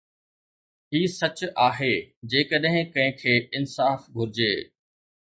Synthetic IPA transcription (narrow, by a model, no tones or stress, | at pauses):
iːsɐt͡ɕʊaːɦeːd͡ʑeːkəɗɦɪ̃kɐ̃ɦɪ̃kʰeːɪnsaːfɡʱʊɾɪd͡ʑeː